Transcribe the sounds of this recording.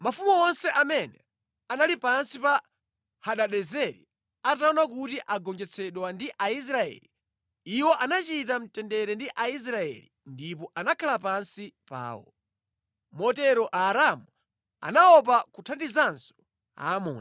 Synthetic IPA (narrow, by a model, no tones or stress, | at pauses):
mafumuɔnsɛʔamɛnɛ | analipansipa | haɗaɗɛzɛɾḭ | ataɔnak̬utiʔaɡɔnd͡ʒɛt͡sʰɛɗwandiʔais̬ɾaɛ̰li | iwɔʔanat͡ʃitam̩tɛndɛɾɛndiʔais̬ɾaɛ̰lindipɔʔanakʰalapansipa̰ːwɔ̰ | mɔtɛɾɔʔaːɾamu | a̰naɔp̬akutʰandizansɔ̥ | a̰ːmɔ̰ːna